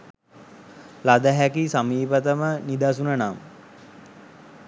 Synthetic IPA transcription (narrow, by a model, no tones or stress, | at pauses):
lad̪əɦækisamiːpət̪əmənid̪asunənam